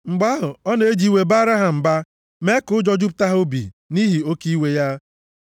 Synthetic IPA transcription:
ŋ͡m̩˨ɡ͡ba˦ɦʊ˨ɔ˦n˦e˦d͡ʒi˦we˨ba˦ɾa˦ɦa˨m̩˨ba˦ | me˦kʊ˦d͡ʒɔ˦d͡ʒʊ˦p̬ʊ̥˨ta˦ɦʊ˦bḭ˨ | ni˦ɦi˨o˦ki˦we˦ja˦

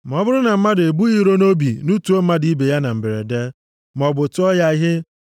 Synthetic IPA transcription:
m˨ɔ˦bʊ˦ɾʊ˦na˨m̩˦ma˦de˨bu˦i˦ɾo˦no˦bi˨nu˦tu˨˦o˦m̩˦ma˦di˦be˨ja˦na˨m̩˨be˨ɾḛ˨de˦ | m˨ɔ˨bʊ˨tʊ˦ɔ˦ja˦ɦɪ˦

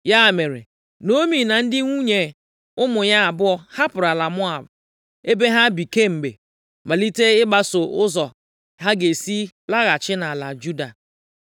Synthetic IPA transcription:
ja˦˨me˨ɾḛ˨ | no˦mi˨na˨n̩˦dɪ˦ŋʷu˦ɲe˨ | ʊ˦mʊ˨ɲa˦a˨bʊ˦ɔ˦ha˦pʊ˨ɾa˨la˨mʊ˦a˨b | e˦be˦ɦa˦bi˨ke˦m̩˨bḛ˨ | ma˨li˦te˦ɪ˦ba˦so˨ʔʊ˦zɔ˨ | ɦa˦ɡe˨si˦ | la˦ɣa˨t͡ʃɪ˦na˨la˨d͡ʒu˦da˨

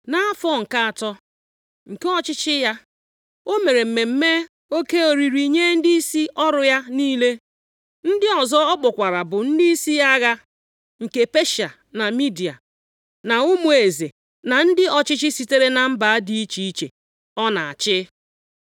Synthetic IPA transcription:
na˦fɔ˦˨ŋ̩˨ka˦a˨tɔ˦ | ŋ̩˨ke˦ɔ˦t͡ʃɪ˦t͡ʃɪ˦ja˦ | o˦me˨ɾe˨m̩˨me˨m̩˦me˦ | o˦ke˦o˨ɾi˨ɾi˨ɲe˦n̩˦di˦i˦si˦ɔ˦ɾʊ˨ja˦niː˦le˦ | n̩˦dɪ˦ɔ˨zɔ˦ɔ˦k͡pʊ˨kʷa˨ɾa˨bʊ˨n̩˦di˦i˦si˦ja˦ɣa˦ | ŋ̩˨ke˦pe˦ʃa˨ | na˨mi˦di˨a̰˨ | na˨ʊ˦mu˦˨e˨ze˨ | na˨n̩˦dɪ˦ɔ˨t͡ʃɪ˦t͡ʃɪ˦si˨te˦ɾe˦na˨m̩˦ba˨a˦di˦i˦t͡ʃi˨i˦t͡ʃe˨ | ɔ˦na˨a̰˨t͡ʃɪ˦

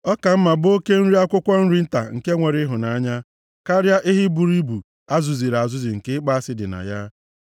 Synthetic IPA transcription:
ɔ˦ka˨m̩˦ma˨bo˦ke˦n̩˦ɾi˦a˦kʷʊ˦kʷɔ˦n̩˦ɾi˦n̩˦ta̰˨ŋ̩˨ke˦ŋʷe˨ɾɪ˦ɦʊ˨na˨a˦ɲa˦ | ka˦ɾja˦ʔɪ˦ɦi˦bu˨ɾi˦bu˨ | a˦zu˨zi˨ɾa˨zʊ˦zi˨ŋ̩˨ke˦k͡pa˦a˦sɪ˦dɪ̰˨na̰˨ja˦

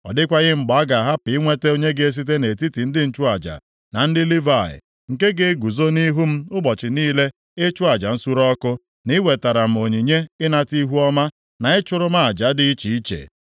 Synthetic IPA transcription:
ɔ̰˨dɪ˦kʷa˦ɣɪ˦ŋ͡m̩˨ɡ͡ba˨˦ɡa˨ɦa˦pɪ˨ɪ˦ŋʷe˦te˦o˦ɲe˦ɡe˦e˦s̬i˦t̬e˦ne˨ti˦ti˨n̩˦dɪ˦n̩˦t͡ʃʊ˦a˨d͡ʒa̰˨ | na˨n̩˦dɪ˦li˦va˨ɪ̰˨ | ŋ̩˨ke˦ɡe˦ɡu˨zo˦ni˦ɦu˦m̩˦ʊ˦bɔ˨t͡ʃɪ˨niː˦le˦ | e˦t͡ʃʊ˦a˨d͡ʒa˨n̩˦su˦ɾɔ˦kʊ˦ | ni˦we˨ta˨ɾa˨m̩˨o˨ɲi˨ɲe˦ɪ˦na˦ti˦ɦu˦ɔ˦ma˦ | na˨ɪ˦t͡ʃʊ˦ɾʊ˦ma˦a˨d͡ʒa˨˦dɪ˦t͡ʃi˨i˦t͡ʃḛ˨

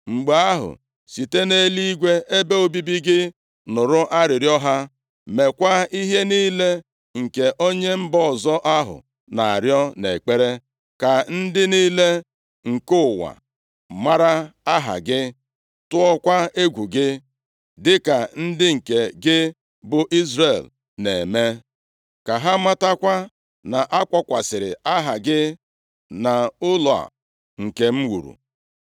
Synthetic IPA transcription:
ŋ͡m̩˨ɡ͡ba˨a˦ɦʊ̰˨ | si˨te˦ne˦li˦i˦ɡʷe˦ʔe˦be˦o˨bi˦bi˦ɡɪ˦ | nʊ˨ɾʊ˦ʔa˦ɾɪ˨ɾjɔ˦ɦa˦ | me˨kʷa˦i˦ɦe˦niː˦le˦ | ŋ̩˨ke˨ʔo˦ɲe˦m̩˦bɔ˦˨zɔ˦ʔa˦ɦʊ̰˨ | na̰˨a̰˨ɾjɔ˦nḛ˨k͡pe˦ɾe˦ | ka˨n̩˦dɪ˦niː˦le˦ | ŋ̩˨kʊ˦˨wa̰˨ | ma˦ɾa˦a˦ɦa̰˨ɡɪ˦ | tʊ˦ɔ˦kʷa˦e˦ɡʷu˨ɡɪ˦ | dɪ˦ka˨n̩˦dɪ˦ŋ̩˨ke˨ɡɪ˦ | bʊ˨ʔi˦zɾe˦˨l | ne˨me˦ | ka˨ɦa˦ma˦ta˦kʷa˦ | na˨ʔa˦kʷɔ˦kʷa˨sɪ˨ɾɪ˨a˦ɦa˨ɡɪ˦ | na˨ʊ˦lɔ˨a̰˨ | ŋ̩˨ke˨m̩˦wṵ˨ɾṵ˨

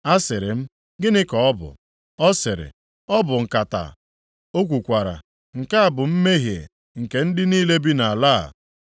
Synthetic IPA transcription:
a˦sɪ˨ɾɪ˨m̩˦ | ɡɪ˦nɪ˦kɔ˨ɔ˦bʊ̰˨ | ɔ˦sɪ˨ɾɪ̰˨ | ɔ˦bʊ˨ŋ̩˨ka˨ta̰˨ | o˦k̬ʷu˨kʷa˨ɾa̰˨ | ŋ̩˨ka˦a˨bʊ˨m̩˦me˦ɦje˨ | ŋ̩˨ke˨n̩˦dɪ˦niː˦le˦bi˦na˨a˨la̰˦˨

